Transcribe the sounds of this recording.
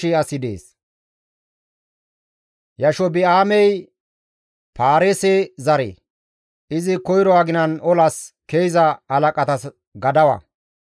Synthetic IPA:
ɪɐsɪd̪ḛːs | jɐʃɔbɪaːmɛj | paːɾɛsezɐɾḛ | ɪzɪkɔjɾɔwaɡɪnɐnɔlɐskejzɐhɐlɐkʼɐt̪ɐs | ɡɐd̪ɐwɐ̰

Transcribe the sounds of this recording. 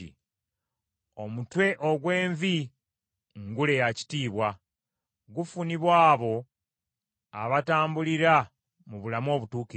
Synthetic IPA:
ḭ | o̞mutwe̞ʔoɡwe̞ːɱvi | ŋɡule̞jaci̥tiːβwa | ɡufuniβwaːβo̞ | aβataːmbuliɾa | muβulamo̞ːβutuːki

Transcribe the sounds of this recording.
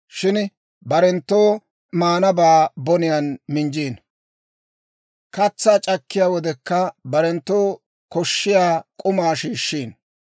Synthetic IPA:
ʃɪn | bɐɾɛnt̪ːoː | maːnɐbaːbɔnɪjɐnmɪnd͡ʒiːn | kɐt͡sːaːt͡ʃʼɐkːɪjaːwɔd̪ɛkːɐbɐɾɛnt̪ːoː | kɔʃːɪjaːkʼʊmaːʃiːʃːiːn

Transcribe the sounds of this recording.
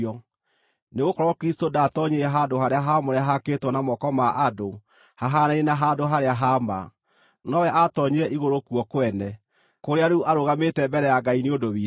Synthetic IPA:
ɔ | neɣokɔɾɔkɾistodatɔɲeɾɛɦandohaɾeaɦamoɾeaɦaketwɔnamɔkɔmaʔado | haɦanaenaɦadoɦaɾeaɦama̰ | nɔwɛʔatɔɲeɾɛʔiɣoɾokuɔkowɛnɛ | koɾeaɾuʔaɾoɣametɛmbɛɾɛjaɡaineodowi

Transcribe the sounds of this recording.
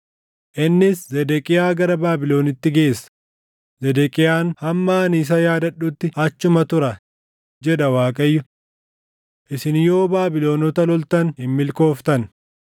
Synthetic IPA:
ʔɪnːɪszɛd̪ɛkʼɪjaːɡɐɾɐbaːbɪlo̞ːnɪt̪ːɪɡe̞ːsːɐ̥ | zɛd̪ɛkʼɪjaːnhɐmːaːnis̬ɐjaːd̪ɐᶑʊt̪ːɪɐt͡ʃːʊmɐt̪ʊɾɐ | d͡ʒɛᶑ̪ɐwaːkʼɐjːʊ | ʔɪsɪnjo̞ːbaːbɪlo̞ːnɔt̪ɐlɔlt̪ɐnhɪmːɪlko̞ːft̪ɐn

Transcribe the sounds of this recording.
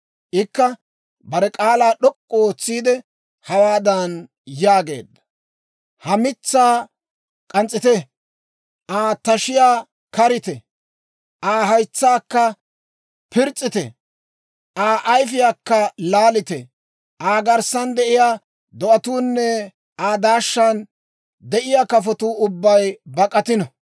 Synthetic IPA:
ʔɪkːɐ | bɐɾɛkʼaːlaːɗɔkʼːoːt͡sːiːd̪ɛ | hɐwaːd̪ɐn | jaːɡe̞̰ːd̪ːɐ̥ | hɐmɪt͡sːaː | kʼɐnt͡sʼːɪt̪ɛ | ʔaːt̪ɐʃɪjaː | kɐɾɪt̪ɛ | ʔaːɦɐjt͡sːaːkːɐ | pɪɾt͡sʼːɪt̪ɛ̰ | ʔaːʔːjfɪjaːkːɐlaːlɪt̪ɛ | ʔaːɡɐɾsɐnd̪ɛʔɪjaː | d̪ɔʔɐt̪uːnːɛ | aːd̪aːʃːɐn | d̪ɛʔɪjakɐfɔt̪uːʊbːɐjbɐkʼːɐt̪ɪnɔ

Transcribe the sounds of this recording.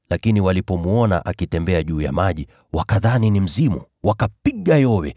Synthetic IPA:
lakiniwalipɔmuɔna̰ʔakitɛmbɛaʄuːja̰maʄi | wakaðaninim̩zimu | wakapiɠajɔwɛ

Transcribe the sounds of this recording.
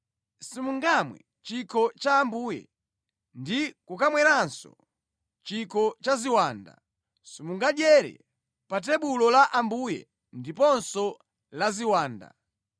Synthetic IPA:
simuŋɡamwɛ̰ | t͡ʃikʰɔt͡ʃaːmbuːjɛ̰ | ndikukamwɛɾansɔ̰ | t͡ʃikʰɔt͡ʃaziwaːnda̰ | simuŋɡaɗjɛɾɛ̰ | pat̬ɛɓulɔlaʔambujɛ̰ | ndipɔnsɔ | laziwaːnda̰

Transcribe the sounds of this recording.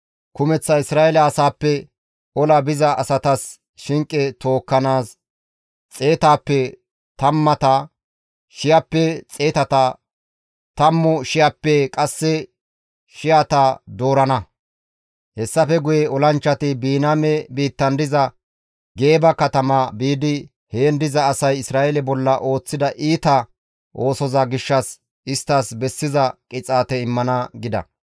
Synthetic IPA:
kʊmɛt͡sːɐɪsɾaːʔɛlɐːsaːpːɛ | ɔlɐbɪzɐʔːsɐt̪ɐs | ʃɪŋkʼːɛt̪o̞ːkːɐnaːs | t͡sʼe̞ːt̪aːpːɛ | t̪ɐmːɐt̪ɐ | ʃɪjɐpːɛt͡sʼe̞ːt̪ɐt̪ɐ | t̪ɐmːʊʃɪjapːɛkʼɐsːɛ | ʃɪjat̪ɐd̪o̞ːɾɐnɐ | hɛsːɐfɛɡʊjɛɔlɐnt͡ʃːɐt̪ɪbiːnaːmɛbiːt̪ːɐnd̪ɪzɐ | ɡe̞ːbɐkɐt̪ɐmɐbiːd̪ɪ | heːnd̪ɪzɐːsɐjɪsɾaːʔɛlɛbɔlːɐʔo̞ːt͡sːɪd̪ɐʔiːt̪ɐ | ʔo̞ːsɔzɐɡɪʃːɐs | ɪst̪ːaːsbɛsːɪzɐkʼɪt͡sʼaːt̪ɛɪmːɐnɐɡɪd̪ɐ̰

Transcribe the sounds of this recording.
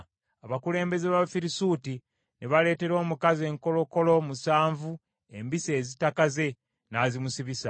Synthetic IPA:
aβakule̞ːmbe̞zeβafiɾisuːti | neβale̞ːte̞ɾo̞ːmukaze̞ːŋko̞lo̞ko̞lo̞musaːɱvu | e̞̰mbise̞ːzitakaze̞ | naːzimusiβisa

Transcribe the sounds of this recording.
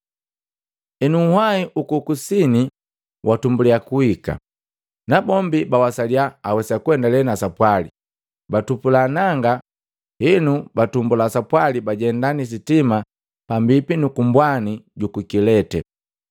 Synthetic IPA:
ɛnuhwaiʔukukusini | wʔatumbuliakuhika̰ | nabɔmbibawasaliaːwɛsakwɛndalɛnasapwali | batupulanaŋɡa | hinubatumbulasapwalibaɟɛndanis̬itima | pambipinukumbwaniɟukukilɛtɛ

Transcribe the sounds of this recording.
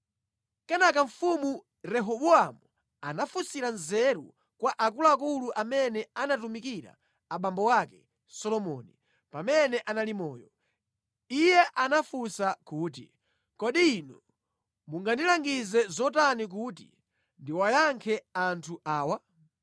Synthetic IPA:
kɛnakaɱfumu | ɾɛɦɔɓɔamu | anafusiɾanzɛɾṵ | kwaʔakulaak̬uluʔamɛnɛanatumikiɾa̰ | aɓambɔwakɛ | sɔlɔmɔ̰ni | pamɛnɛʔanalimɔːjɔ | ijɛʔanafusakuːt̬ḭ | kɔɗiːnɔ | muŋɡandilaŋɡizɛzɔtanik̬ut̬ḭ | ndiwajaŋkʰɛantʰuʔaːwa

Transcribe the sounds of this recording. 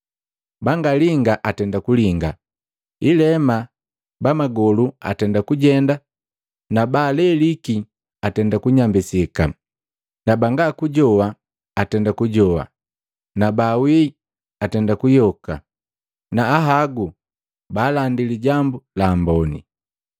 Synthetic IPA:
baŋɡaliŋɡaʔatɛndakuliŋɡa | ilɛma | bamaɡɔlua̰tɛndakuɟɛnda | nabalɛliki | atɛndakuɲambisika | nabaŋɡakuɟɔwaː | tɛndakuɟɔwa̰ | nabawi | atɛndakujɔka̰ | naːɦaɡu | baːlandiliɟambulambɔnḭ

